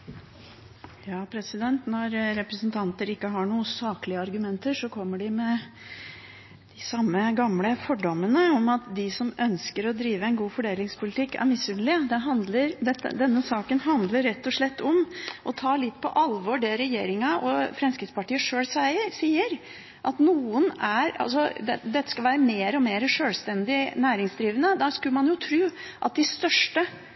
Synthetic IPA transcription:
jɑːpʰɾɛsɪd̪ɛnt̪nɔɾɾɛpɾəsnt̪ʰɑnt̪əɾɪkːəɦɑɳuːəsɑːklɪəɑɾɡʉmɛnt̪əʂɔkʰɔmːəɖɪmɛ | d̪̥ɪsɑmːəɡɑmləfɔɖɔmːənəɔmɑt̪d̪ɪsɔmœnskəɾɔd̪ɾiːʋəɛɪnɡuːfɔɖeːlɪŋspʊlɪt̪ʰɪkːæ̰ɾmɪsʉnlɪəd̪ɛɦɑnd̪ləɾd̪ɛt̪ːə̰d̪ɛnːəsɑːkənɦɑnd̪ləɾɾɛt̪ːɔʂɭɛt̪ːɔmʔɔt̪ʰɑːlɪt̪ːpʰɔ̰ʔɑlʋɔɖɛɾɛjeːɾɪŋɑʔɔfɾɛmskɾɪt̪spɑʈiːəʂøːlsæɪəɾsiːəɾ | ʔɑt̪nuːənæɾɑ̰lsɔd̪d̪ɛt̪ːə̥skɑlʋæːɾəmeːɾɔmeːɾəʂøːlst̪ɛnd̪ɪnæːɾɪŋsd̪ɾiːʋənəd̪æʂkʉlmɑnjʊt̪ʰɾʉːʔɑ̰t̪̚d̪ɪst̪œʂʈə

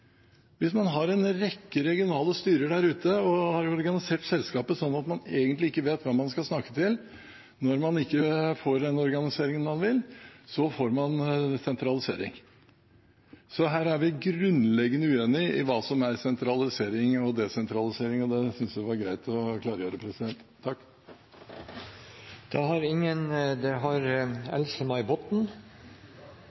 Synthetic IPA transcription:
ʋɪsmɑnɦɑɾɛnɾɛkːəɾɛɡɪʊnɑːləst̪yːɾəɖ̪æɾʉːt̪əɔhɑɾɔɾɡɑnɪseːʈsɛlskɑːpəsɔnːɑt̪mɑneːɡənt̪lɪɪkːəʋeːt̪ʋɑmɑnskɑlsnɑkːə̥t̪ʰɪl | nɔɾmɑnɪkːəfoːɾd̪ɛnɔɾɡɑnɪseːɾɪŋənmɑnʋɪlsɔfoːɾmɑnsɛnt̪ɾɑlɪsḛːɾɪ̰ŋ | sɔɦæːɾæɾʋɪɡɾʉnlɛɡənəʉːeːnɪɪʋɑːsɔmæɾsɛnt̪ʰɾɑlɪseːɾɪŋɔd̪ɛsɛnt̪ʰɾɑlɪseːɾɪŋɔd̪ɛsʏnsʋɪʋɑɾɡɾæɪt̪ʰɔkʰlɑːɾəjøːɾəpʰɾɛsɪd̪ɛnt̪ʰːɑkː | d̪̥ɛhɑɾɪŋːənd̪ɛɦɑɾɛ̰lsəmɑɪbɔt̪n̩

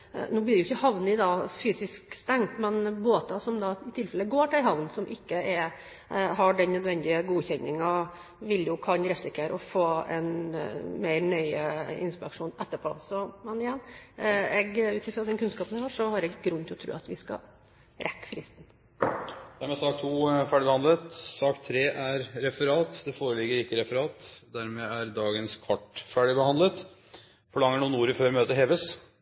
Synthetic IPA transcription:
nuːblɪɖɛʊɪçəhɑʋnɪd̪ɑfyːsɪskst̪ɛŋt̪mɛnboːt̪ɑsɔmd̪ɑɪt̪ʰɪlfɛlːəɡoːʈʰɛɾɦɑʋnsɔmʔɪkːəɛɾ | ɦɑɖɛnːœd̪ʋɛnd̪ɪəɡuːçɛnːɪŋɑ | ʋɪljʊkʰɑnɾɛsɪkʰəɾʔɔfoːɛ̰nmeɪɾɳœʏəɪ̰nspɪɛɾkʂuːnɛt̪ːəpʰo̰ːsɔmɛnɪjɛnː | ɛɡʉːt̪ɪfɾɑd̪ɛnkʰʉnskɑːpənɛɪhɑʂɔhɑɾɛɡɡɾʉnːt̪ɪɔt̪ʰɾʉ̰ːɑt̪ʋɪskɑ̰ | ɾʔɛkːə̥fɾɪst̪n̩ | d̪̥æɾmɛsɑːk̚t̪ʰuːfæːɖɪbəhɑnd̪lət̪sɑːkt̪ʰːɾeːʔæɾɾɛfəɾɑːt̪d̪ɛfoːɾəlɪɡːəɾɪkːəɾɛfəɾɑːt̪d̪æɾmɛæɾd̪ɑːɡənskʰʋɑʈfæːɖɪbəhɑnd̪lət̪ | fɔɭɑŋːəɳuːənuːɾɪføːɾmøːt̪əɦeːʋəs

